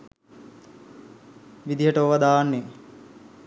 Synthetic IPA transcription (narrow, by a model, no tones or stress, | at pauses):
ʋid̪iɦəʈəoʋad̪aːanːe